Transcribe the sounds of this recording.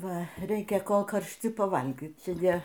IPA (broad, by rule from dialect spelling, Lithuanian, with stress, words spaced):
ˈʋɐ ˈrʲɛɪkʲɛ ˈkoːlˠ kɐrʲʃʲˈtʲɪ pɐˈʋɐlʲɡʲiːt ˈjiɛ